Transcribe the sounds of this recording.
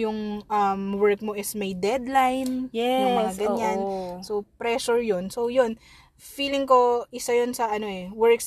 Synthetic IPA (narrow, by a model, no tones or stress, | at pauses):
jʊŋʔɐmwɛɹk̚mo̞ʔɪsmɐjd̪ɛd̪lajnjɛɐmɐŋaɡɐɲansopɾɛʃʊɹjonsowjon | fiːlɪŋko̞ʔɪsajonsɐʔɐno̞ʔɛwɛɹks